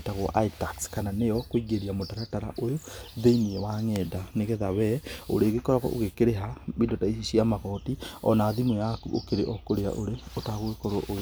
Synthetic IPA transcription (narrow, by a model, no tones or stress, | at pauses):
taɣwɔ̰ʔaitakskananejɔkwiɡeɾiamotaɾataɾa̰ʔojoðeiniɛwaŋɛdaneɣɛðawɛo̰ɾeɣekɔɾaɣɔ̰ʔo̰ɣekeɾeɦaβidotaiiʃiamaɣɔtiɔ̰naːðimejakuo̰keɾeʔɔkoɾea̰ʔoɾeotaɣwekɔɾoʔo